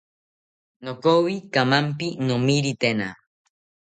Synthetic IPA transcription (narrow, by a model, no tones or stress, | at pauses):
nokowikamampinomiɾit̪ena̰